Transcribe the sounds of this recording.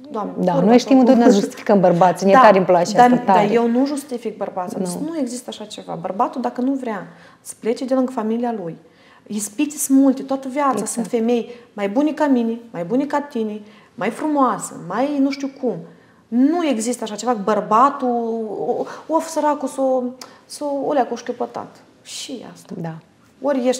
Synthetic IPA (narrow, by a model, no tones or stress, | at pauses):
d̪oamnd̪anojʃt̪imɨnonasʒust̪i̥fi̥kəmbərbat̪sʲnied̪aaɾimplat͡ʃeaad̪ajewnuʒust̪ifik̚bərbat̪sʲat̪usnue̞ɡzist̪əaʃat͡ʃe̞va̰bərbat̪ud̪akənuvɾʲea | sə̥plet͡ʃed̪elɨŋɡfamilialuj | ispit̪sʲsɨmult̪ʲet̪oat̪əvjat̪sasɨnt̪fe̞me̞jmajbunʲekaminimajbunʲekat̪ini | majfɾumoasə̰majnuʃt̪ʲiukʰum | nue̞ɡzist̪əaʃat͡ʃe̞vakubərbat̪u | ofsəɾakusosoolʲakoʃkʲopot̪a̰t̪ | ʃḭa̰st̪ad̪a | oɾʲjeʃt̪ʲ